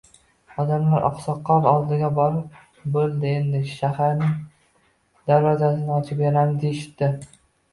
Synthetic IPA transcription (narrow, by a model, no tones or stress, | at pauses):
ɒd̪amlaɾʔɒ̰qsɒqʰːɒɾɒlˠd̪ɪɡʲabɒɾɪp̚ | bolˠd̪ɪe̞nd̪ɪʃahaɾnɪŋ | d̪̥aɾɒzasɪnɪɒt͡ʃʰɪpeɾand̪eʃɪ̥t̪ːɪ